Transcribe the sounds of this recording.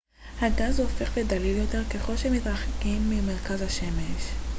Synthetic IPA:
haɡazho̞fe̞χved̪aliljo̞t̪e̞ʁkeχo̞lʃeemit̪ʁaχekimːime̞ʁ̞kazhaʃe̞meʃ

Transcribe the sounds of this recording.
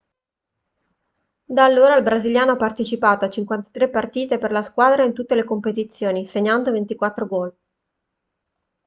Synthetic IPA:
d̪alːoːɾailbɾaziljaːnoapːart̪et͡ʃipaːt̪oat͡ʃːiŋkwant̪ḁt̪ɾepːart̪iːt̪eperlaskwaːd̪ɾaint̪ut̪ːelekompet̪it̪sːjoːniseɲːand̪ovent̪ikwat̪ːɾoɡɔl

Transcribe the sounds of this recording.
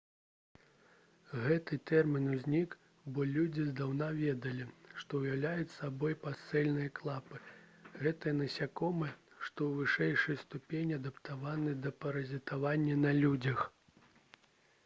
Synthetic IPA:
ɣɛt̪ɨt̪ɛrmʲinuzʲnʲik | bɔlʲud͡zʲizd̪awnavʲɛd̪ɐlʲiʂt̪ɔwjawlʲajut͡sʲsabɔjpasɛlʲnɨjɐklˠapɨɣɛt̪ɨjɐnɐsʲakɔmɨʂt̪ɔwvɨʂɛjʂɨjst̪upʲenʲiad̪ɐpt̪avanɨd̪ɐpɐɾɐzʲit̪avanʲːɐnɐlʲud͡zʲɐx

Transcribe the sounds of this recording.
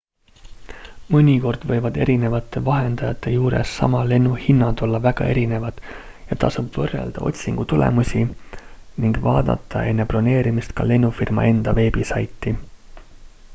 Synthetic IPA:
mɤnʲiko̞rd̪̥vɤ̞jvɑd̪e̞̰ɾine̞vɑt̪ːˑe̞vɑɦe̞nd̪̥ɑjɑt̪ːˑe̞juːɾe̞̰sːɑ̰mɑle̞nːuhinːɑd̪̥o̞lːɑvæɡ̥ɑ̰e̞ɾine̞vɑd̪̥ | jɑt̪ɑsub̥vɤrːḛld̪̥ɑ̰o̞̰t̪ʲsiŋɡ̥ut̪ulḛmusʲi | niŋɡ̥vɑːd̪̥ɑ̰t̪ːˑɑ̰ʔe̞nːe̞plo̞ne̞ːɾimist̪kɑle̞nːufirmɑ̰e̞nd̪̥ɑve̞ːbisɑjt̪ːˑi

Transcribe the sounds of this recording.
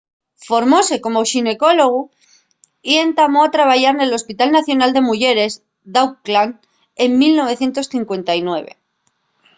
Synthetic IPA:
fo̞ɾmo̞se̞ko̞mo̞ʃine̞ko̞lo̞ɣ̞u | ient̪amo̞at̪ɾaβaʝaɾne̞lo̞spit̪alnaθjo̞nald̪e̞muʝe̞ɾe̞z | d̪awklan | e̞ŋmilno̞βe̞θje̞nt̪o̞sθiŋkwe̞nt̪ajnwe̞β̞e̞̰

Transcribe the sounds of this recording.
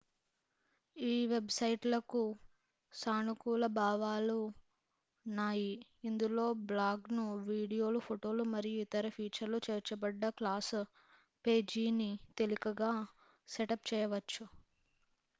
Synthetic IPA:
iːʋe̞bsɐjʈlɐku | saːnukuːlɐbaːʋaːlu | naːjiːnd̪ulo̞ːblaːɡnuʋiːɽijo̞ːlupʰoʈo̞ːlumɐɾijuit̪ɐɾɐpʰiːt͡ʃɐɾlut͡ʃeːɾt͡ʃɐbɐɖːɐklaːs | pe̞ːd͡ʒiːnit̪e̞likɐɡaː | seʈɐpt͡ʃɛːjɐʋɐt͡ʃːu

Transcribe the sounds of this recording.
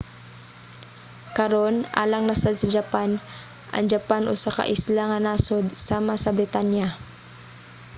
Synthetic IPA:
kɐɾo̞nʔa̰ːlɐŋnɐsad̪̚sɐd͡ʒɐpan | ʔɐ̰ŋd͡ʒɐpanʔosɐkɐ̰ʔɪslaŋɐnaːsod̪̚saːmɐsɐbɾɪt̪anja

